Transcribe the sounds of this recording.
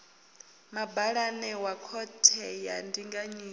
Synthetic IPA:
mabaɺanɛwakʰɔtʰɛjandiŋɡaɲiː

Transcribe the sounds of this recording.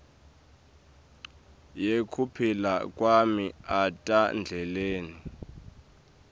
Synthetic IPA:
jekʰupʰilakʼwamiatʼand͡ɮʱɛleːni

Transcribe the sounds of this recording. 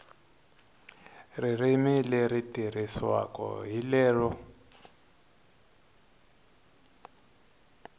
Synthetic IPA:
ririmilɛritiriswa̰kɔ̰ɦilɛːɺɔ

